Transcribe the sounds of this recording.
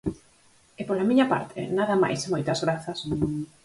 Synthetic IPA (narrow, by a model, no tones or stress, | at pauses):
epolamĩɲapa̰ɾt̪ʰɪ̰naðɐma̰jsmojt̪ɐzɣɾaθɐs